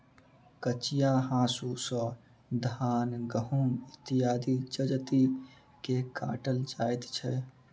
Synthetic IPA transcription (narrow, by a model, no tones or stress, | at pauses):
kət͡ʃijaɦãːsusə̃ | d̪ʱaːnɡəɦumɪt̪ijaːd̪ikd͡ʒəd͡ʒt̪i | keka̰ːʈəld͡ʒaːjt̪t͡ʃʰɛ